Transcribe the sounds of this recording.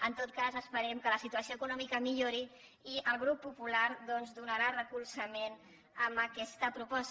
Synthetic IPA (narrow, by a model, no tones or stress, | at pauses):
ənt̪ot̪̚kazəspəɾɛmkələsit̪uəsioəkunɔmikəmiʎoɾi | iʔəlˠɣɾupːupulaɾðɔnzd̪unəɾarəkulˠsəmen | əmbəkɛst̪əpɾupɔs